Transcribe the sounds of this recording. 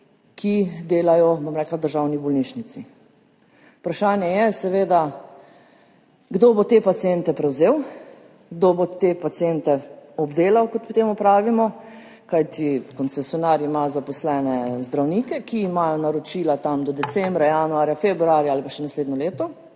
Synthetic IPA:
kʰid̪eːlajɔbomɾɛklad̪əɾʒawnibɔlniʃnit̪si | u̥pɾaʃaːnjɛjɛsɛʋeːd̪a | ɡd̪oːbot̪epat̪sijɛnt̪ɛpɾɛwzeːw | ɡd̪obot̪epat̪siɛnt̪ɛɔbd̪eːlawkɔt̪pɔt̪eːmɔpɾaːʋimɔ | kajt̪ʰikɔnsɛsjɔnaɾimazapɔslɛːnɛzd̪ɾawnikɛkiːmaːjɔnaɾɔt͡ʃilat̪amd̪ɔd̪ɛt͡s̪ɛmbɾajanuaːɾjafebɾuuaːɾjaaːlipaʃɛnasleːd̪nɔleːt̪ɔ

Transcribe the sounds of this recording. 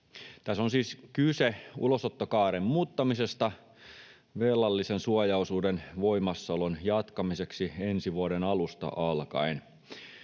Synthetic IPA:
t̪æsːonsiːskyseṵlosot̪ːokɑːɾemːmuːt̪ːɑmisest̪ɑ | ʋelːɑlːisensuojɑusuːdenʋoimɑsːɑolonjɑt̪kɑmise̞ksiensiʋuodenɑlust̪ɑ̰ʔɑlkɑ̰in

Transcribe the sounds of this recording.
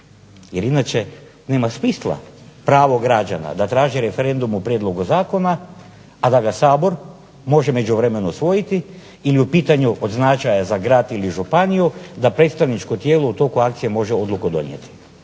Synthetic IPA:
je̞ɾinat͡ʃe̞ | ne̞ːmasmislˠa̰pɾaːʋo̞ɡɾad͡ʒa̰na̰d̪at̪ɾaːʒiɾe̞fe̞ɾe̞nd̪umupɾʲjed̪lˠo̞ɡuzaːko̞naː | d̪aɡasaːbo̞ɾ | mo̞ʒeme̞d͡ʒuʋɾe̞me̞nusʋo̞jit̪iː | liupiːt̪aɲuʔod̪znat͡ʃajazaɡɾaːt̪iliʒupanijud̪apɾe̞t̪st̪aʋnit͡ʃkot̪jeːlout̪o̞kuakt̪sije̞mo̞ʒeo̞d̪lˠukod̪o̞̰njḛt̪i̥

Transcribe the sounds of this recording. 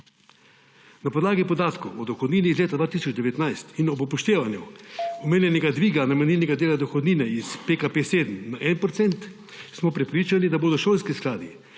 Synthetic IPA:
napɔd̪laːɡipɔd̪aːt̪kɔwɔd̪ɔxɔd̪niːniːzleːt̪ad̪vʋaːt̪isɔd͡ʒd̪ɛʋɛt̪najst̪inɔbɔpɔʃt̪eːʋanjɛɔmeːnʲjɛnɛɡad̪ʋiːɡanamɛniːnɛɡad̪eːlad̪ɔxɔd̪niːnɛispekapeːseːd̪əmnaʔɛnpɾɔt̪sɛnt̪ | smɔpɾɛpɾiːt͡ʃanid̪aboːd̪ɔʃoːlskisklaːd̪i

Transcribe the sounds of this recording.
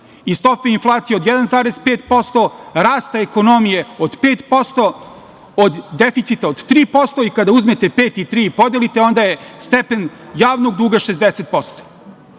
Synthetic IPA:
ist̪o̞peinflˠaːt̪sijeod̪jɛd̪anzaːɾezpeːt̪po̞st̪o̞ɾaːst̪aeko̞no̞mije̞od̪peːt̪po̞st̪o | od̪ːefit̪sit̪aod̪t̪ɾiːpo̞st̪o̞ikad̪auzmet̪e̞peːt̪it̪ɾiːpo̞d̪jelit̪e̞o̞nd̪ajest̪epenjaːʋno̞ɡ̚d̪uːɡaʃezd̪eset̪̚po̞st̪o̥

